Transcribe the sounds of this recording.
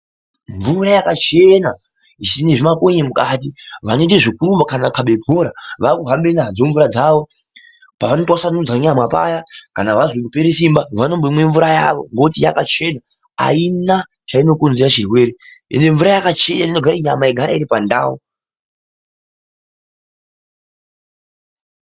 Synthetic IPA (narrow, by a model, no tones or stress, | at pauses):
ɱvurajakat͡ʃena | isineʐimakoɲemukat̬iʋanoiteʐikuɾumbakanakaɓe̞bʱoɾaʋakuɦambenaɦad͡zoɱvuɾad͡zaːʋo̞ | paʋanotwasanud͡zaɲamwapa̰jakanaʋazekupeɾesimbaʋano̞mboimwe̞ɱvuɾaja̰ʋo̞̰ŋɡo̞tija̰kat͡ʃe̞na | a̰ina | t͡ʃaino̞konzeɾaʃirwe̞ːɾiḛne̞ɱvuɾajakat͡ʃe̞naninoɡʱaɾaiɲamaiɡʱaɾa̰iɾipanda̰ːwo